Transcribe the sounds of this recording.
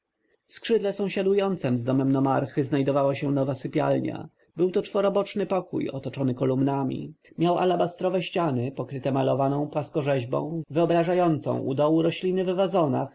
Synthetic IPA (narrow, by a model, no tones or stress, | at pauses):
fskʂɘd̪lɛsɔ̃w̃ɕad̪ujɔnt̪sɛmzd̪ɔmɛmnɔmaɾxɘznajd̪ɔvawaɕɛnɔvasɘpʲja̰lɲa̰ | bɘwt̪ɔt͡ʂfɔɾɔbɔt͡ʂnɘpɔkṵjɔ̰t̪ɔt͡ʂɔnɘkɔlumnamʲḭ | mʲjawa̰labast̪ɾɔvɛɕt͡ɕanɘpɔkɾɘt̪ɛmalɔvanɔ̃w̃pwaskɔʐɛʑbɔ̰̃w̃vɘɔbɾaʐajɔnt̪sɔ̰̃w̃ʔṵd̪ɔwuɾɔɕlʲinɘvɛvazɔna̰x